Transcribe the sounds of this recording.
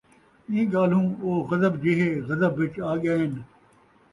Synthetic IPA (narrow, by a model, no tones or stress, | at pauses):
ĩːɡaːlũːoːɣɐzəbd͡ʑɪɦeɣɐzəbːɪt͡ʃaːɠɪjaːɦɪn